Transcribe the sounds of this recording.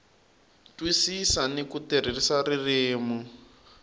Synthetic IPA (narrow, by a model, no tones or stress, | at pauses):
twisisanikuter̤irisarireːmu